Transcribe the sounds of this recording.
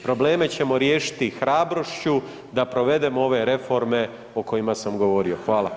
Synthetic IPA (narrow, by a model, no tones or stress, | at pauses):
pɾo̞ble̞ːme̞t͡ɕe̞mo̞ɾjeːʃi̥t̪ixɾaːbɾo̞ʃt͡ɕu | d̪apɾo̞ʋe̞d̪emoo̞ʋe̞ɾe̞fo̞ɾme̞ | oko̞jimasamɡo̞ʋo̞ɾio̞xʋaːlˠa